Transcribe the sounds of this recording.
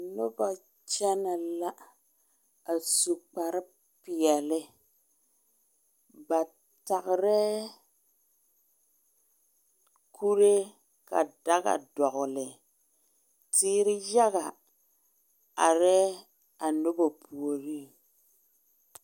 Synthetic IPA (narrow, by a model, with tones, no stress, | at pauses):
nʊ˦ba˨ | t͡ʃɛ˦na˨la˦ | a˨su˨k͡pa˨ɾɪ˦ | pɪ˨ɛ˨lɪ˦ | ba˨ | ta˨ɣɾɛ˦ | kʰu˦ɾe˦ | ka̰˨da˦ɣa̰˨dɔ˨ɣlɪ˨ | tiː˦ɾɪ˦ja˦ɣa˨ | a˨ɾɛ˦ | a˨nʊ˦ba˨pu˨o˨ɾi˦˨